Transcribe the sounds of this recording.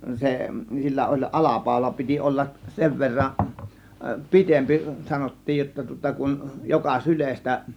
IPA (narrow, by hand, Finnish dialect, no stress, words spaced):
se silːæ olʲ ʔɑlɑpɑˑo̝lɑ piti ʔolːɑk seʋ ʋerːɑ pitempi sɑnotːiːj jotːɑ tŭŏtɑ kun jokɑ sylestæ